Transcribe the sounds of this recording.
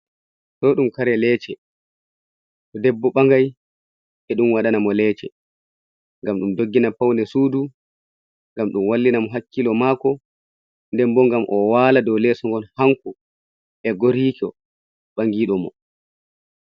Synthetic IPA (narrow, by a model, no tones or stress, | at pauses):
ɗɔɗumkaɾɛlɛːt͡ʃɛ | kɔdɛbːɔɓaŋɡaj | ʔɛɗumwaɗanamɔlɛːt͡ʃɛ̰ | ŋɡamɗumdoɡːinapawndɛsuːdu | ŋɡamɗumwalːinamɔɦakːilɔmakɔ | ndɛmbɔŋɡamʔɔwaːladɔwlɛsɔŋɡɔnhaŋku | ɛɡoɾiːkɔ | ɓaŋɡiɗɔmɔ̰